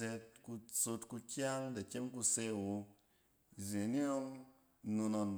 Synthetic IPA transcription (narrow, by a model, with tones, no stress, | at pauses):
e˧t̚ku˧so˧tku˧kʲa˦ŋda˨kʲe˦mku˧se˦˨wo˧ | ze˨ni˦o˦ŋ˦ | nu˧no˧n